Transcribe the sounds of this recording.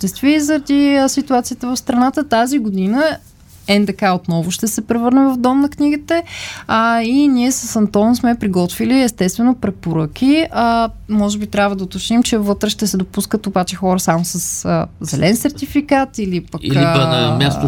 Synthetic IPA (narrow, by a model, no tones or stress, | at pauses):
t̪ɛst̪vizəɾɐd̪isit̪uat̪sijət̪əvɐfst̪ɾɐnat̪ət̪aziɡod̪inə | ɛnd̪ɐkaot̪nɔvʊʃt̪ɛsɛpɾɛvɤɾnɛvɐfd̪ɔmnɐkniɡit̪ɛ | inʲiɛsəsɐnt̪ɔnsmɛpɾiɡɔt̪viliɛst̪ɛst̪vɛnopɾɛpoɾək̟ʲiəmɔʒɛbit̪ɾʲjabvəd̪əot̪ot͡ʃnimt͡ʃɛvɤt̪ɾɛʃt̪ɛsɛd̪opuskət̪obat͡ʃɛxɔɾəsamosəsəzɛlʔɛnsɛɾt̪ifikat̪ilipəkiliəmʲjaso